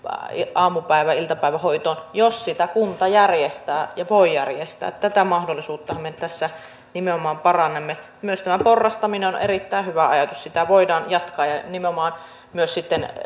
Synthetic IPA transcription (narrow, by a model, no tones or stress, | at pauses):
ʔɑːmupæˑiʋæilt̪ɑpæˑiʋæhoit̪oːnjossit̪ækunt̪ɑjærjest̪æːjɑʋoijærjest̪æ̰ːt̪tæt̪æmɑhdolːˑisuːt̪ːɑhɑmːett̪æsːæ | nimeomɑːmpɑrɑnːemːe | myøst̪æmæporːɑst̪ɑmineonʔḛrit̪ːæˑihyʋæɑjɑt̪ussit̪æʋoidɑːnjɑt̪kɑːjɑnimeomɑːn | myøssit̪ːen